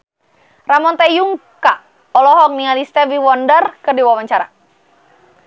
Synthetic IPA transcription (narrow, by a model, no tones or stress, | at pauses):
ramɔnt̪ɛjuŋka | ɔlɔɦɔk̚niŋalist̪ɛviwɔndərkɨrdiwawaɲt͡ʃaɾa̰